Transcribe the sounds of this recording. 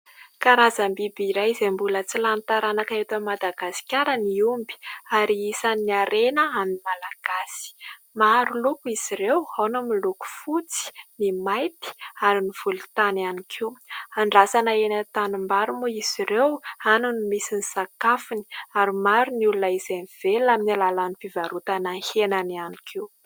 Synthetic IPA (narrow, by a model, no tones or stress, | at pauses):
kaɾazambibiɾajizembulət͡silant̪aɾanakaet̪amad̪aɡasi̥kʲaɾəniumbi̥aɾiisaniaɾenəaminmalaɡ̥asi̥ | maɾulukuiz̥iɾewawnamiluku̥fut͡si̥nimajt̪i̥aɾiniv̥ulut̪ananikʰiwaɳɖ͡ʐasanaenat̪anumbaɾumuiz̥iɾewanunimisinisakafuni̥aɾimaɾuniulunəizeniv̥elaminalalanifivaɾut̪anaŋhenanianikʰew